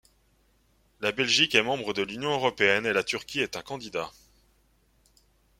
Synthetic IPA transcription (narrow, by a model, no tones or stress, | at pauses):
labɛlʒikɛmɑ̃bʁəd̪əlynjɔ̃øʁɔpeɛnelat̪yʁkʲiɛt̪ɛ̃kɑ̃d̪id̪a